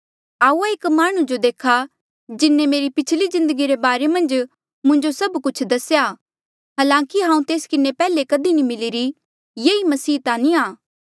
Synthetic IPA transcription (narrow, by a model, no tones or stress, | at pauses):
aːuaɪːkmaːɽ̃ũd͡ʒod̪eːkʰa | d͡ʒɪnːemeːɾipɪt͡ʃʰlizɪ̃nd̪əɡiɾebaːɾemɐ̃nd͡ʒ | mʊ̃ɲd͡ʒosɐbkʊt͡ʃʰd̪ɐsja | ɦaːlãːkiɦãːũt̪eːskɪnepɛːlekɐd̪inimɪliːɾi | jeːimɐsiːt̪ãniaː